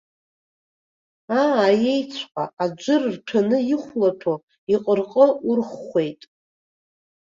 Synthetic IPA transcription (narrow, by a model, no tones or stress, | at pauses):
aːje̞jt͡sʷʰqʷʼa̰ad͡ʒʷʊrrtʰanɨjiɪχʷlatʰo | iqʼərqʼəurχːʷe̞jtʼ